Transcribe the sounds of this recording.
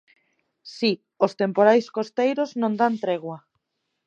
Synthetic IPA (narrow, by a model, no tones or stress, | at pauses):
si | ost̪empoɾajskost̪ejɾoznõnd̪ant̪ɾeɣwa